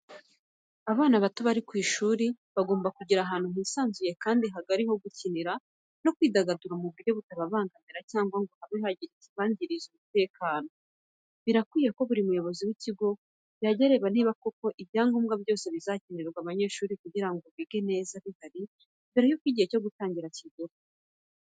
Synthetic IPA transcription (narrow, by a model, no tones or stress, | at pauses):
aβaːnaβatoβaɾikwiːʃuːɾi | βaɡo̞ːmbakuɟiɾaɦaːn̥huɦiːsaːnzuje̞kaːndiɦaɡaɾiɦo̞ɡuciniɾa | no̞kwiːdaɡaduɾamuβuɾɟo̞βutaβaβaːŋɡamiɾacaːŋɡwaŋɡohaβihaɟiɾit͡siβaːɲɟiɾizumute̞ːkaːno̞ | βiɾakwiːjeko̞βuɾimujo̞βo̞ziwiciɡo̞ | bjaɟaɾe̞βaniːβakoko̞ʔiβjaːŋɡumɡabjo̞ːse̞βizacineɾɡwaβaɲe̞ːʃuːɾikuɟiɾaŋɡoβiːɡe̞ne̞ːzaβihaɾi | βiɾajokwiːɟiheco̞ɡutaːɲɟiɾaciɡuɾi